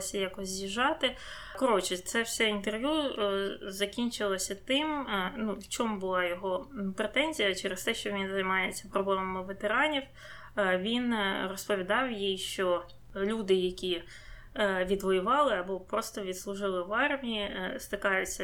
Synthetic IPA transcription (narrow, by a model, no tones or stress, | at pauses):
sʲɐjɑkɔzʲzʲiʒɑt̪ɪ | kɔɾɔt͡ʃɪt̪sɛwsʲɛint̪erʋʲju | zɐkʲinʲt͡ʃɪlˠɐsʲɐt̪ɪmnuwt͡ʃɔmbʊlˠɑjɔɦɔpɾet̪ɛnʲzʲijɐt͡ʃɛɾɪst̪ɛʃt͡ʃɔʋʲinzɐjmɑjet͡sʲːɐpɾɔblˠɛmɐmɪʋet̪eɾɑnʲiw | ʋʲinrɔspɔʋʲid̪ɑwjijʃt͡ʃɔ | lʲud̪ɪjɐkʲi | ʋʲid̪ʋɔjʊʋɑlˠɪɐbɔpɾɔst̪ɔʋʲit̪slˠʊʒɪlˠɪʋɑrmʲiist̪ɪkɑjʊt͡sʲːɐ